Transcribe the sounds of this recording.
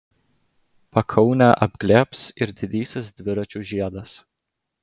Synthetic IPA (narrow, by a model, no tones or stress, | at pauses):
pɐkʰɐʊnʲæːʔɐbʲɡlʲæːpsɪɾd̪ʲɪd̪ʲiːsʲɪsd̪ʲʋʲɪɾɐt͡ʃʲuːʒʲiɛd̪ɐs